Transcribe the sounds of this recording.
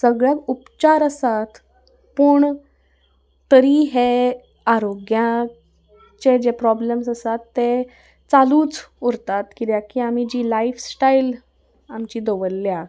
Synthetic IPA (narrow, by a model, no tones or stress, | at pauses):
səɡɭjakupt͡ɕaɾəsat̪ | puːɳ | t̪əɾiːɦe | aɾoɡjã | t͡ɕed͡ʑepɾɔblemsəsat̪ːe | t͡saluːt͡suɾt̪at̪kit̪jakiːam̤id͡ʑiːlaifsʈail | amt͡ɕiːd̪oʋəlːja